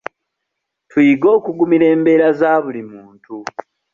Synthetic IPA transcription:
tʰwiɡo̞ːkuɡumiɾe̞ːmbe̞ːɾazaːβulimuːntu

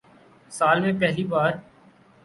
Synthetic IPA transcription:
saːlmẽpɛɦlibaːɾ

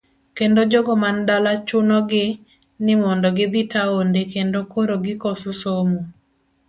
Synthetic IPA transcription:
kendod͡ʒɔɡɔmandalat͡ʃʊnɔɡɪ | nɪmɔndɔɡɪd̪ɪtaondekendokoɾoɡɪkɔsusomo

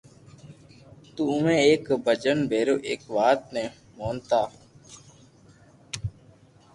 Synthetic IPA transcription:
t̪uːʊmẽːeːkbəd͡ʒənbʱeːɾoːʔeːkʋaːt̪̚neː | moːnt̪aː

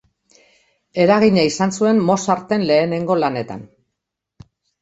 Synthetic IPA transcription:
e̞ɾaɣiɲaisansue̞nmo̞saɾt̪e̞nle̞ːne̞ŋɡo̞lane̞t̪a̰n

